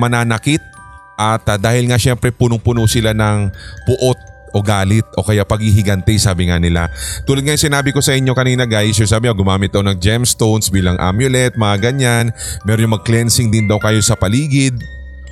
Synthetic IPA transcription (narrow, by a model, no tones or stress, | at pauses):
mɐnaːnɐkɪt̪̚ | ʔɐt̪d̪aːhɪlŋaʃɛmpɾɛpunʊŋpʊnosɪlanɐŋpʊʔo̞t̪̚ | ʔo̞ɡaːlɪt̪̚ʔo̞̰kɐjapɐɡhihɪɡɐnt̪ɛjsaːbɪŋanɪla̰t̪uːlɐd̪ŋajŋsɪnaːbɪko̞sɐʔɪɲːo̞kɐninɐɡajs̬jʊŋsaːbɪŋoɡʊmaːmɪt̪̚d̪ɐkonɐŋd͡ʒɛmst̪ownsbiːlɐŋʔa̰mjʊlɛt̪̚mɐŋaɡɐɲanmɛɾoɲomɐɡ̚klɛnsɪŋd̪ɪnd̪ɐwkɐjo̞sɐpɐliːɡɪd̪̚